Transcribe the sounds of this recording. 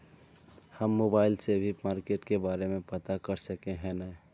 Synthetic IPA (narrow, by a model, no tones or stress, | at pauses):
həmːoːbaːɪlsebʱimaːɾkeːʈkebaːɾemẽpət̪akəɾsəkẽɦɛ̃nɛ